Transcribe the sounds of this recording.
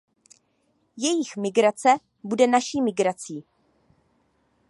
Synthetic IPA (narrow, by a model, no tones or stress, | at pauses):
jɛjɪxmɪɡɾat͡sɛ | budɛnaʃiːmɪɡɾat͡siː